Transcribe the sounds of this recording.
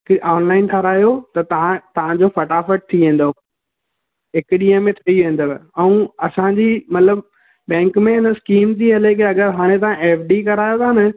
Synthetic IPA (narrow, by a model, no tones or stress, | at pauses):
kiʔɔːnlaːɪnʈʰɐɾaːjot̪ɐt̪ɐãt̪ɐʋ̤ãd͡ʑofɐʈaːfəʈ̚t̪ʰiʋẽːn̆d̪o | ɦɪkɗĩːə̃mẽt̪ʰiʋẽːn̆d̪əbɛ̃ũɐsãɲd͡ʑimɐt̪ləb | ɓɛ̃ːŋkmẽɪnəskiːmt̪ʰiɦɐlekeɐɠəɾɦaːɽ̃ẽt̪̬ɐãɛːfɖikɐɾaːjot̪ʰaːnə